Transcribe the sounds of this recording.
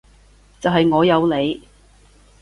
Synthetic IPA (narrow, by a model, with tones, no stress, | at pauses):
t͡sɐ˨wɦɐ˨jŋɔː˨˧jɐ˨˧wle˨˧j